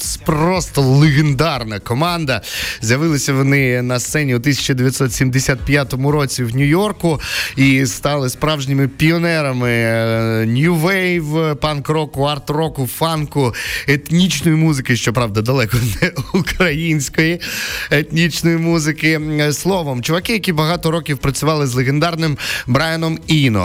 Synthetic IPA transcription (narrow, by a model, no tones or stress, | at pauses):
prɔst̪ɔlˠeɣend̪ɑrnɐkɔmɑnd̪ɐzʲjɐʋɪlˠɐsʲɐʋɔnɪnɐst̪sɛnʲiut̪ɪsʲɐ̥t͡ʃɐd̪eʋʲjɐt̪sɔt̪sʲimd̪esʲat̪̚pʲjat̪ɔmʊɾɔt͡sʲiwnʲʊjɔrkʊist̪ɑlˠɪspɾɑwʒnʲɪmɪpʲiɔnɛɾɐmɪ | nʲjʊʋɛjʋpɑnkɾɔkʊɐrt̪ɾɔkʊfɑnkʊet̪nʲit͡ʃnɔjimuzɪkɪʃt͡ʃɔpɾɑʋd̪ɐd̪ɐlˠɛkɔnɛukɾɐjinʲsʲkɔjiet̪nʲit͡ʃnɔjimuzɪkɪslˠɔʋɔmt͡ʃʊʋɐkɪjɐkʲibɐɦɑt̪ɔɾɔkʲiwpɾɐt͡sʲʊʋɑlˠɪzlˠeɣend̪ɑrnɪmbɾanɔminɔ̰